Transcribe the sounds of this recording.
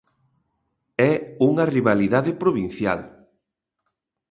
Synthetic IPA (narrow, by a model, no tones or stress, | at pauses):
ɛuŋɐriβaliðaðɪpɾoβin̟θja̰l